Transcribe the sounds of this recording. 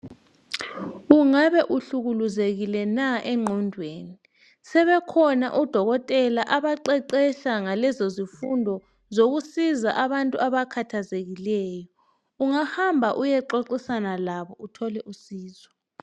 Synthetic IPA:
uŋaβɛʔuɬuɣuluzeɣilɛnaʔɛŋ͡ǃʱɔndʱweːni | sɛβɛkʰɔna̰ʔud̥ʱɔɣɔtʼɛlaʔaβaǃɛǃɛɬaŋalɛzozifundʱɔ | zoɣusizaʔaβantʼuaβakʰatʰazeɣilɛːjɔ | uŋahambʱaʔujɛǃoǀisanalaβɔʔutʰɔlɛʔusiːzɔ

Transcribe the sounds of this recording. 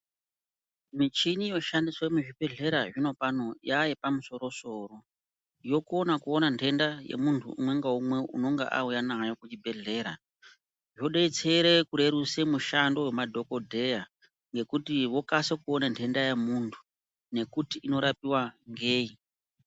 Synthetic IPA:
mit͡ʃinijo̞ʃandiswemuʐibʱe̞ɮe̞ɾaʐino̞pano̞jajepamuso̞ɾo̞so̞ːɾo̞ | jo̞kuonakuo̞nantʰe̞ndajḛmuntʰṵṵmwe̞ŋɡaumwe̞ʔṵno̞ŋɡḛʔa̰ujanaɦajokut͡ʃibʱe̞ɮe̞ːɾa̰ | ʐoɗeit͡seɾekuɾe̞ɾusemuʃando̞wemadʱo̞kodʱe̞ja | ŋɡe̞kutiʋo̞kasekuonantʰe̞ndajemuntʰu̥ | ne̞kutiːno̞ɾapiwaŋɡeːi

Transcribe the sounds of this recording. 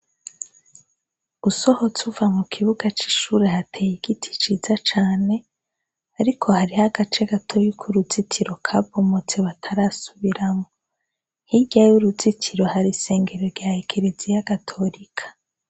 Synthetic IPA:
uso̞ho̞t͡suvamukʰiβuɡat͡ʃi̥ʃuɾe̞hatʰejiɡitʰi̥t͡ʃiːz̥at͡ʃaːne̞ | aɾikʰo̞haɾihaɡat͡ʃe̞ɡatʰo̞ɾikʰuɾuzitʰiɾo̞kʰabomot͡se̞βatʰaɾasuβiɾamo | hiɟajuɾuzitʰiɾo̞haɾise̞ːŋɡe̞ɾoɾɡaheɡeɾezijaɡatʰo̞ɾikʰḁ

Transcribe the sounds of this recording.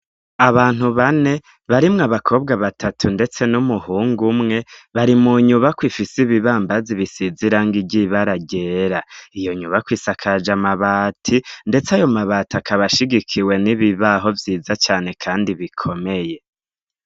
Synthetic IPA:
aβaːn̥huβane̞ | βaɾimŋaβakʰo̞ːbɡaβatʰatʰunde̞t͡se̞numuhuːŋɡumŋe̞βaɾimuɲuβakwiːfisiβiβaːmbaziβisiziɾaːŋɡiɟiβaɾaɟe̞ːɾaijo̞ɲuβakwiːsakʰad͡ʒamaβaːtʰinde̞t͡seajo̞maβatakʰaβaʃiɡikʰiwe̞niβiβaɦo̞vjiːzat͡ʃaːne̞kʰaːndiβikʰo̞me̞je̞

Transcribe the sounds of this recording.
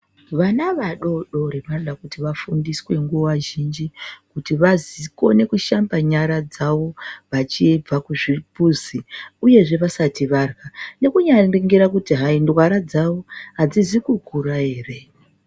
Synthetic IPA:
ʋanaʋaɗo̞ɗo̞ɾeʋanoɗakutiʋafundiswe̞ŋɡuwaʒind͡ʒikutiʋaziko̞ne̞kuʃambaɲaɾad͡zaʋo̞ʋat͡ʃib͡vakuʐipuziuje̞ʐe̞ʋasatiʋarɣane̞kuɲaiŋɡiɾakutiɦaindwaɾad͡zawo̞ɦad͡zizikuɡʱuɾaɦe̞ːre̞

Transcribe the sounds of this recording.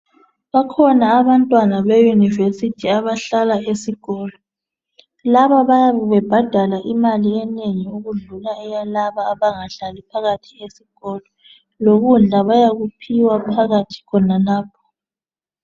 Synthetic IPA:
βakʰɔnaːβantʼwanaβejunivesitʰiaβaɬalaesiɣɔːlɔ | laβaβajaβɛb̥ʱad̥ʱalaʔimaliɛneɲiuɣuɮulaɛjalaβaːβaŋaɬalipʰaɣatʰi̥esiɣɔlɔ | loɣund͡ɮʱaβajaɣupʰiwapʰaɣatʰi̥kʰɔnalaːpʰɔ̥

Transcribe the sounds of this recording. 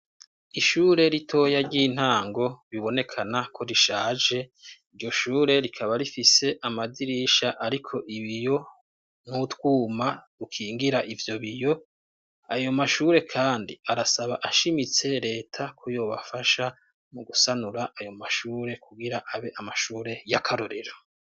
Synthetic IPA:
iʃuːɾe̞ɾitʰo̞ːjaɾɟiːn̥haːŋɡo̞βiβo̞nekʰanakʰo̞ɾiʃaːd͡ʒe̞iɾjo̞ʃuːɾe̞ɾikʰaβaɾifise̞ʔamadiɾiʃaʔaɾikʰo̞ʔiβijo̞ | nutwuːmadukʰiːŋɡiɾaʔivjo̞βijo̞ | ajo̞maʃuːɾe̞kʰaːndiaɾasaβaʔaʃimit͡se̞ɾe̞ːtʰakʰojo̞ːβa̰faʃa | muɡusanuɾaʔajo̞maʃuːɾe̞kʰuɡiɾaʔaβe̞ʔamaʃuːɾe̞jakʰaɾoɾe̞ɾo

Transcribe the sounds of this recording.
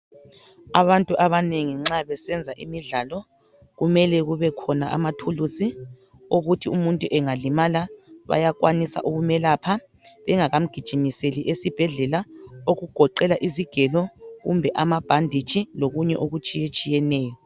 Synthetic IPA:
aβantʼuʔaβaneŋiŋ͡ǁaβɛsɛnd͡zʱaʔimiɮalɔ | ɣumɛlɛɣuβɛkʰɔnaʔa̰matʰulusi | oɣutʰiumuntʼuʔɛŋalimalaβa̰jakwanisa̰ʔuɣumɛlapʰa | βɛŋaɣam̩ɡ̥ʱid̥ʒ̥ʱimiseliʔesib̥ʱɛɮɛlaoɣuɡ̥ʱɔǃɛlaʔiziɡ̥ʱɛlɔɣṵmbʱɛʔamab̥ʱandʱi̥t͡ʃʼiloɣuɲɛ̰ʔoɣut͡ʃʼijet͡ʃʼijɛnɛːjɔ

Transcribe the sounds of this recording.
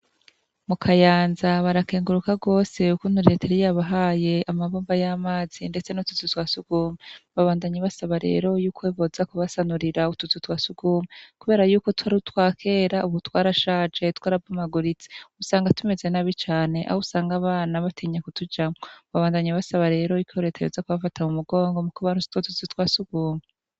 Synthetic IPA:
mukʰajaːnzaβaɾake̞ːŋɡuɾukaɡo̞ːse̞ukun̥uɾiɾeteɾijaβaɦaje̞amaβoːmbajamaːz̥inde̞t͡senotu̥tutwasuɡ̥uːmeβaβaːndaɲaβasaβaɾe̞̰ːɾo̞juːkweβozakuβasanuɾiɾautut͡sutwasuɡ̥uːmekuβe̞ːɾajuːko̞twaɾtwaːkʰe̞ɾauβutwaːɾaʃaːd͡ʒe̞twaːɾavɡumaɡuɾit͡se̥usaːŋɡatume̞ze̞naβit͡ʃaːne̞ʔa̰housaːŋɡaβaːnaβatʰiɲakutud͡ʒamoβaβaːndaɲaβasaβaɾe̞ːɾo̞ikʰoɾe̞tʰajo̰zakuβafatʰamumuɡo̞ːŋɡo̞mukuβanu̥totuzutwaːsuɡuːme

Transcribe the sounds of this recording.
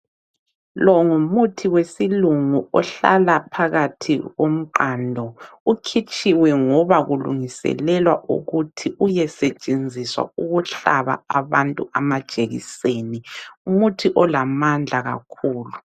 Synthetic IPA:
lɔŋumutʰiwesiluŋuɔɬa̰lapʰaɣatʰiɣom̩ǃandʱɔukʰit͡ʃʼiwɛŋɔβaɣulṵŋisɛ̰lɛlwaʔṵɣutʰiʔujɛsɛt͡ʃʼend͡zʱiswa̰uɣuɬaβa̰aβantʼuamad̥ʒ̥ʱʼeɣḭseːniumutʰiʔɔlamand͡ɮʱaɣa̰kʰuːlu

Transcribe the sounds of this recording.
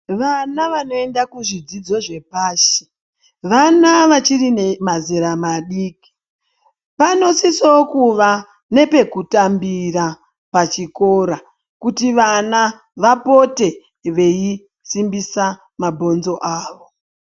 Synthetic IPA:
ʋanaʋano̞e̞ndakuʐid͡zid͡zo̞ʐe̞paːʃi̥ | ʋanaʋat͡ʃirinemazeɾamaɗiːki̥ | pano̞sisokuʋa | ne̞pe̞kutambira | pat͡ʃiko̞ɾa | kutiʋana | ʋapo̞te̞ | ʋe̞i | simbisa | mabʱo̞nzo̞ʔaːʋo̞

